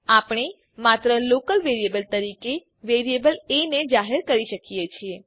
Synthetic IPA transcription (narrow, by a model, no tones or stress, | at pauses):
apɽ̃e | mat̪ɾəlokəlʋeɾijebəlt̪əɾike | ʋeɾijebəlened͡ʒaɦeɾkəɾiʃəkijet͡ʃʰie